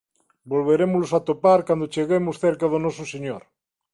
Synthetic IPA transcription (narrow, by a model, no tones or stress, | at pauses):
bolβ̞eɾemʊzlosat̪opaɾkwand̪ot͡ʃeɣemosθeɾkaðonɔsoseɲoɾ